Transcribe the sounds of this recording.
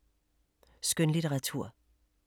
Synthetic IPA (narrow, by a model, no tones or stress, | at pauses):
sɡ̥ønliɾʰeʁɑ̈t͡sʰṵɐ̰